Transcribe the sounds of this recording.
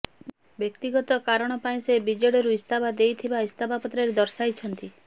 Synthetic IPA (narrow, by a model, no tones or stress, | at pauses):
bjekt̪iɡɔt̪ɔkaɾɔɽ̃ɔpaĩsebid͡ʒɔɽɔɾuist̪ʰabad̪ejt̪ʰibaist̪ʰabapɔt̪ɾaɾed̪ɔɾsajt͡ʃʰɔnt̪i